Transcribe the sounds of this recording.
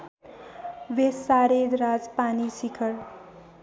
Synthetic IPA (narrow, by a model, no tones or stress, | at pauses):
wesaɾed̪ɾad͡zpanisikʰʌɾ